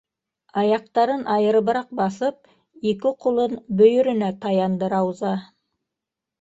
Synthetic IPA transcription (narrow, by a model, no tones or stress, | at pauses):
ɑjɑq̚t̪ɑɾənʔɑjəɾəbəɾɑq̚bɑsəp̚ | ek̬ʲɪqʰʊlˠənbɵjɪɾɪ̆næt̪ʰɑjɑnd̪əɾɑwzɑ